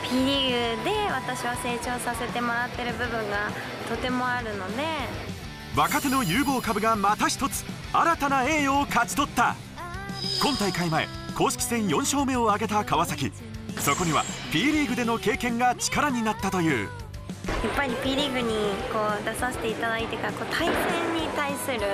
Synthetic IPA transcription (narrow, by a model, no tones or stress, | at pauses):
pʲiɾʲiɡɯ̟d̪e̞βat̪aɕiβase̞ːt͡ɕo̞ːsase̞t̪e̞mo̞ɾat̪ːe̞ɾɯ̟bɯ̟bɯ̟̃ŋɡa | t̪o̞t̪e̞mo̞aɾɯ̟no̞ne̞ | βakat̪e̞no̞jɯːbo̞ːkabɯ̟ɡamat̪aç̬ʲi̥t̪o̞t͡sɨ̥ | aɾat̪anae̞ːokat͡ɕi̥t̪o̞t̪ːa̰ | kõ̞nt̪aikaimae̞̰ | ko̞ːɕi̥kʲi̥sẽ̞ɰ̃jõ̞ɰ̃ɕo̞ːme̞oaɡe̞t̪akaβasakʲi | so̞ko̞ɲiβa̰pʲiːɾʲiːɡɯ̟d̪e̞no̞ke̞ːkẽ̞ŋɡat͡ɕi̥kaɾaɲ̟inat̪ːat̪o̞jɯ̟̰ː | japːaɾʲipʲiɾʲiɡɯ̟ɲ̟iko̞ːd̪asaɕi̥t̪e̞it̪ad̪ait̪e̞kako̞ːt̪ʰaibɯnẽɲːit̪aisɨɾɯ̟